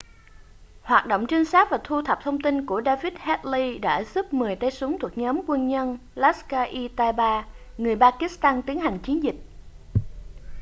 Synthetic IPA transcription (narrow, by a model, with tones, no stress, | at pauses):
hwaː˨˩t̚ɗo̰˧˨wŋ͡mt͡ɕï˧ŋ̟saː˦˥t̚vaː˨˩t̪ʰu˧t̪ʰə˨˩p̚t̪ʰə˧wŋ͡mt̪i˧nku˧˩əɗaː˧vi˦˥t̚hɛ˦˥t̚li˧ɗa̰ː˧˥zɨ˦˥p̚mɨ˨˩əjt̪ə˧jsu˨˦ŋ͡mt̪ʰu˨˩ə˩k̚ɲɔː˨˦mkwə˧nɲə˧n | laː˦˥skaː˧ʔi˧t̪aː˧jɓaː˧ | ŋɨ˨˩əjɓaː˧ki˦˥st̪aː˧nt̪i˨˦əŋhɦa˨˩ŋ̟t͡ɕi˨˦ənzï˨˩k̟̚